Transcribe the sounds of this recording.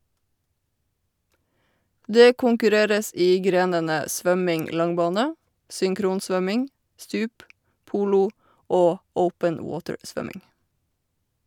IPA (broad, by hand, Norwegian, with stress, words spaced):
ˈdeː kʊŋkʉˈɾeːɾəs ˈʔiː ˈɡɾeːnənə ˈsʋœmɪŋ ˈlɑŋˌbɑːnə sʏŋˈkɾuːnˌsʋœmɪŋ ˈstʉːp ˈpuːlʊ ˈoː ˈəʊpən ə ˈwoːtəɹ ˈsʋœmɪŋ